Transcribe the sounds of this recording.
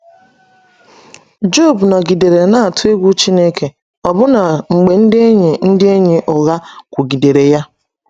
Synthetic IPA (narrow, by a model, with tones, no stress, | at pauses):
d͡ʒo˦˨bna˨ɡi˨de˨ɾe˨na˦a˨tʊ˦e˦ɡʷu˦t͡ʃi˦ne˦ke˨ | ɔ˨bʊ˦na˨ŋ͡m̩˨ɡ͡be˨n̩˦dɪ˦e˦ɲe˨n̩˦dɪ˦e˦ɲe˨ʔɔ˨ɣa˦kʷʊ˨ɡi˨de˨ɾe˨ja˦